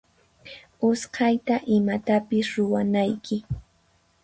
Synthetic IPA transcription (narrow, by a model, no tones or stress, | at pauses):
ʊshɑjt̪aʔɪmat̪apɪsɾʊwanajkʰɪ